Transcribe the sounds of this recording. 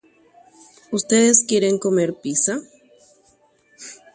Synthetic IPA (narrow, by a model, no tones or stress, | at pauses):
ust̪eðeskje̞ɾeŋko̞me̞ɾpisa